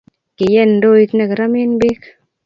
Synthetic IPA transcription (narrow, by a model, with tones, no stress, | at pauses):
ke˨jɛ˦ndo˦i˦t̪nɛ˨kɾa˦me˦nbe˦k